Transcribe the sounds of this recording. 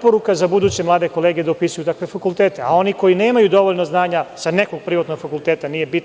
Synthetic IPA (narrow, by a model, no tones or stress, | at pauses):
poɾukazabud̪uːt͡ɕe̞mlaːd̪eko̞leːɡed̪aupisujut̪akʋe̞fakult̪eːt̪e̞ao̞niko̞jineːmajud̪o̞ʋoʎnoznaːɲasaneko̞ɡ̚pɾiʋat̪no̞ɡfakulˠt̪eːt̪anijebit̪